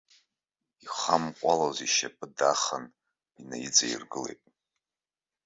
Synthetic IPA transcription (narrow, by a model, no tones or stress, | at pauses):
iχamqʷʼalaziʃapʰʼɨdaχan | inajid͡zʼajirɡɨle̞jtʼ